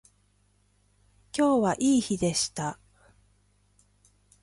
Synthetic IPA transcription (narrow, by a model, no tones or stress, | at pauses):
kʲo̞ːβaʔiːçid̪e̞ɕi̥t̪a